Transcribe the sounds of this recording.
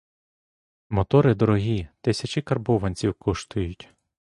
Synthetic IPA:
mɔt̪ɔɾɪd̪ɔɾɔɦʲit̪ɪsʲɐt͡ʃɪkɐrbɔʋɐnʲt͡sʲiwkɔʃt̪ʊjʊtʲ

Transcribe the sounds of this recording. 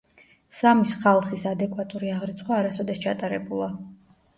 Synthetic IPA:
samisχalˠχisad̪ɛkʼwat̪ʼuɾiaʁɾit̪sʰʼχwaːɾasɔd̪ɛst͡ʃʰat̪ʼaɾɛbulˠa

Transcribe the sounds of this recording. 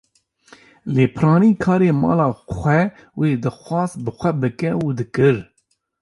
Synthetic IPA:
leːpʰɨɾɑːniːkʰɑːɾeːmɑ̰ːlɑːxʷɛ | weːd̪ɨxʷɑːzbɨxʷɛbɨkɛuːd̪ɨkɨɾ

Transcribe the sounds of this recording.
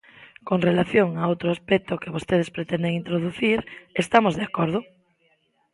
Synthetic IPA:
koŋrelaθjoŋaowt̪ɾoaspɛk̚t̪okeβost̪eð̞espɾet̪ɛnd̪eŋint̪ɾoð̞uθiɾest̪amozðeakɔɾð̞ʊ

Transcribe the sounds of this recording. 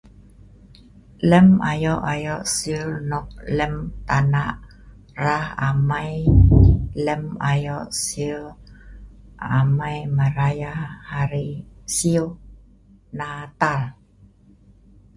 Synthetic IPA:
lɛmajɔʔajɔʔsilnɔk̚lɛmt̪anaʔ | raha̰maj | lɛmajɔʔsil | amajmaɾajahaɾisiu | nat̪al

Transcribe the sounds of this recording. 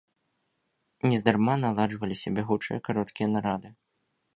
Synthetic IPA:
nʲɛzd̪armanalˠaʐvɐlʲisʲɐbʲɛɣut͡ʂɨjɐkaɾɔt̪kʲijɐnaɾad̪ɨ

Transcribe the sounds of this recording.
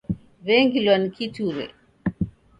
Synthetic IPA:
βɛŋɡilwanikituɾɛ̰

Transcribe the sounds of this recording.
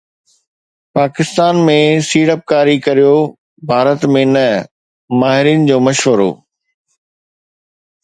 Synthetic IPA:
paːkɪst̪aːnmẽsiːɽəp̚kaːɾikɐɾijo | bʱaːɾət̪mẽnɐ | maːɦɪɾiːn̆d͡ʑoːmɐʃʋəɾo̰ː

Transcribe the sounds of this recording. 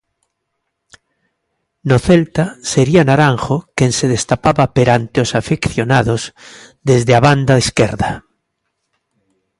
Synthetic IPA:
noθelt̪aseɾianaɾaŋxokenseð̞est̪apaβapeɾant̪eosafekθjonaðoz | ðezðeaβand̪aeskeɾða

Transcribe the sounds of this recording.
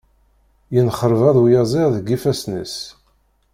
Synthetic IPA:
jənχəɾvæðˤwjɑzˤiʁðəɡifæsnə̰s

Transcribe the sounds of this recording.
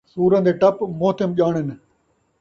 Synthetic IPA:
suːɾə̃nd̪eːʈɐpmoːt̪emʄaːɳɪn

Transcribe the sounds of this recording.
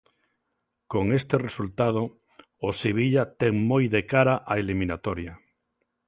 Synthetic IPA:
koŋest̪eresult̪að̞o | oseβ̞iʎat̪ɛŋmojðekaɾaʔaeliminat̪ɔɾja

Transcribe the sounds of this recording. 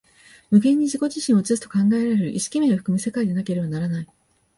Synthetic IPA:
mɯ̟ɡẽ̞ɲ̟ːiʑiko̞ʑiɕĩɰ̃o̞t͡ɕisɨ̥t̪o̞̥kãŋɡae̞ɾaɾeɾɯ̟ʔiɕi̥kʲime̞oɸɯ̟̥kɯ̟mese̞kaid̪e̞nake̞ɾe̞banaɾanai

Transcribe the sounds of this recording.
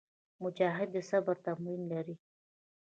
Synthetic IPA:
mʊd͡ʒaɦɪd̪ːəsabaɾt̪amwinlaɾi

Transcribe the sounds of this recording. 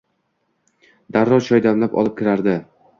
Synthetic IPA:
d̪aɾːɒt͡ʃʰɒjd̪amlapɒ̰lˠɪp̚kʲɪɾaɾd̪ɪ

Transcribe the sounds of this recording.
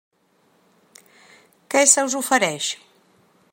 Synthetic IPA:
kɛsəwzufəɾɛʃ

